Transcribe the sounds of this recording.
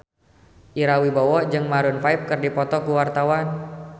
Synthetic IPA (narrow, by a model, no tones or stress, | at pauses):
ʔiɾawibɔwɔd͡ʒɨŋmaɾʊnfaip̚kɨrdipɔt̪ɔkuwart̪awan